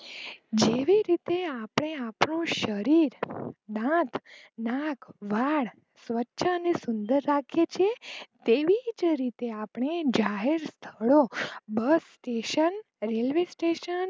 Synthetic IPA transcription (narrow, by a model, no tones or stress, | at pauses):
d͡ʒeʋiɾit̪eapɳ̃eapɳõʃəɾiɾd̪ãt̪ʰ | nakʋaɭ | sʋətːʃʰaənesʊnd̪əɾːakʰjet͡ʃʰiet̪eʋid͡ʒɾit̪eapɳ̃ed͡ʒaɦeɾst̪ʰəɭobəsʈeʃən | ɾelʋesʈeʃən